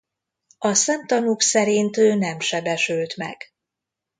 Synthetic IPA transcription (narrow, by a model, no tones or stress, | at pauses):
ɒsɛmt̪ɒnuksɛɾint̪øːnɛmʃɛbɛʃylt̪mɛ̰ɡ̥